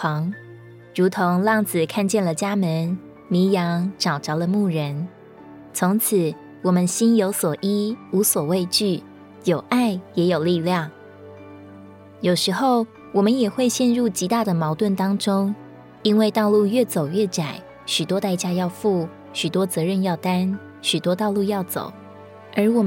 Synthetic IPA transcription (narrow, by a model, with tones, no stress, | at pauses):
ɑ˧˥ŋ | ɻu˧˥t̪ʰo˧˥ŋlɑ˥˩ŋt͡sɹ̩˨˩kʰa˥˧nt͡ɕjɛ˥˩nlə˨˩t͡ɕja˥mə˧˦n | mi˧˥ŋjɑ˧˥ŋʈ͡ʂɑ˨˩ʊʈ͡ʂɑ˧˥ʊlə˧mu˥˩ɻə˧˦n | t͡sʰʊ˧˥ŋt͡s̩ʰ˨˩˦ | wɔ˨˩mə˨˦nɕi˥njo˧˥ʊswɔ˨˩ʔi˥u˧˥swɔ˨˩we˥˧ɪt͡ɕy˥˩ | jo˨˩ʊʔa˥˩ɪjɛ˧˥jo˨˩ʊli˥˧ljɑ˥˩ŋ | jo˨˩ʊʂɻ̩˧˥xo˥˩ʊ | wɔ˨˩mə˨˦njɛ˨˩xwe˥˧ɪɕjɛ˥˧nɻu˥˩t͡ɕi˧˥t̪a˥˩d̪ə˩mɑ˧˥ʊt̪wə˥˩nt̪ɑ˥ŋʈ͡ʂʊ˥ŋ | i˥nwe˥˧ɪt̪ɑ˥˧ʊlu˥˧ɥɛ˥˩t͡so˨˩ʊjɛ˥˩ʈ͡ʂa˨˩˦ɪ | ɕy˨˩t̪wɔ˥t̪a˥˧ɪt͡ɕja˥jɑ˥˧ʊfu˥˩ | ɕy˨˩t̪wɔ˥t͡sɤ˨˧˥ɻə˥˧njɑ˥˩ʊt̪a˥n | ɕy˨˩t̪wɔ˥t̪ɑ˥˧ʊlu˥˧jɑ˥˩ʊt͡so̰˨˩ʊ | ə˞˧˥wɔ˨˩